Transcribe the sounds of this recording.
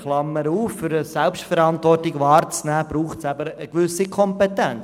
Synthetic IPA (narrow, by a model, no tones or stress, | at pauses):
χlɑmːəɾuːfːʏɾəsɛlpʃtfɛɾɑntvɔrtɪɡʋɑːɾt͡snæːb̥ɾuːχtsæbəɾəɡ̥ʋʏsikʰɔmpetɛn